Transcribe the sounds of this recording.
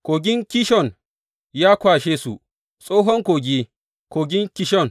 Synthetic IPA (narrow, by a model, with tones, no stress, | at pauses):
koː˨ɡʲɪ˦ŋkʲi˦ʃɔ˦˨n | ja˦kʷaː˨ʃeː˦sṵ˨ | sʼoː˦ɦɔ˦ŋkoː˨ɡʲi˦ | koː˨ɡʲɪ˦ŋkʲi˦ʃɔ˦˨n